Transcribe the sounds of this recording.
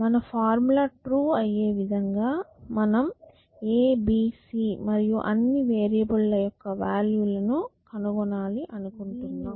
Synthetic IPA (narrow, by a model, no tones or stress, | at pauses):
mɐnɐpʰaːɾmulɐʈɾuːɐjːe̞ːʋid̪ʱɐŋɡaːmɐnɐm | eːbiːsiːmɐɾijuʔɐnːiʋeːɾijɐbɐlːɐjɔkːɐʋaːljulɐnukɐnuɡɔnaːliʔɐnukoɳʈunːaːm